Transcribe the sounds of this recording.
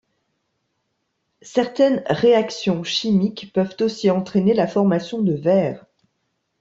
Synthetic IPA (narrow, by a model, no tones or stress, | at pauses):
sɛʁt̪ɛnʁeaksjɔ̃ʃimikpœvt̪osiɑ̃t̪χenelafɔʁmasjɔ̃d̪əvɛːʁ